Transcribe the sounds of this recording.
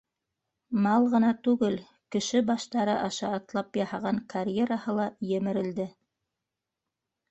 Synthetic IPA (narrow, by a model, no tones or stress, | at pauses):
mɑlˠʁɤ̆nɑt̪ʉɡɘl | kɘ̆ʃɘbɑʃt̪ɑɾɤʔɑʃɑːt̪lˠɑpjɑhɑʁɑŋkaɾʲjeɾahɤlˠɑjɘ̆mɘ̆ɾɘ̆ld̪ɘ